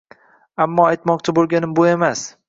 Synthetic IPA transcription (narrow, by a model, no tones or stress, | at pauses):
amːɒajt̪mɒq̚t͡ʃʰabolˠɡʲanɪmboemas